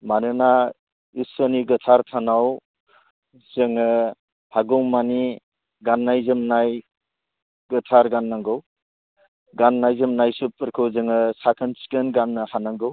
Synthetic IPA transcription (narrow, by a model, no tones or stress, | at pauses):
manɯna | isɔniɡɯtʰaɾtʰanaw | zɯŋɯ | haɡɔŋmani | ɡanːajzɯmnaj | ɡɯtʰaɾɡanːaŋɡɯw | ɡanːajzɯmnajsupɯɾkʰɯwzɯŋɯsakʰɯnsi̥kɯnɡanːɯhanaŋɡɯw